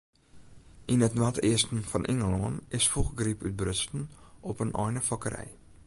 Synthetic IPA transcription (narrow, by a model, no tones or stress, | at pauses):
ʔinətnatɪəstn̩fɔnʔɪŋəloŋənɪsfuχɡripyt̚brʏstn̩ɔpənʔɔ̰jnəfɔkəɾɛ̰j